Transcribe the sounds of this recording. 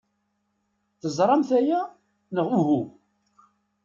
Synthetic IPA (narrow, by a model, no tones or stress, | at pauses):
θəzˤɾˤɑmθæjæ | nəʁuɦu